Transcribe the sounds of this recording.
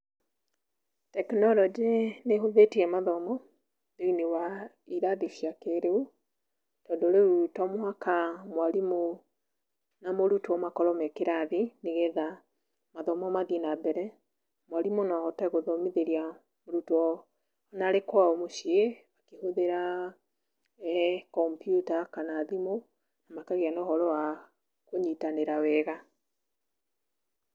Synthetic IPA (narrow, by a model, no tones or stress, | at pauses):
tɛknɔlɔd͡ʒeneɦoðetiɛmaðɔmɔ | deinewa | iɾaðiʃiakeɾeu | tɔndɔɾeɾutɔmwakamwaɾimo | namoɾutuɔmakɔɾɔmɛkeɾaðineɣɛða | maðɔmɔmaðinabɛɾɛ | mwaɾimonaahɔtaɣoðɔmiðeɾia | moɾutuɔ | naɾekwaomoʃieβakehoðeɾa | kɔmpjutakanaːðimo | namakaɣianɔhɔɾɔa | koɲitaneɾawɛɣa